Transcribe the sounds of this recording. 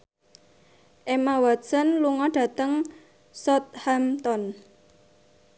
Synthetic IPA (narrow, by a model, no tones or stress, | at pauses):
ʔemawḁsənluŋɔɖ̥ä̤t̪əŋ | sɔt̪̚hamt̪ɔn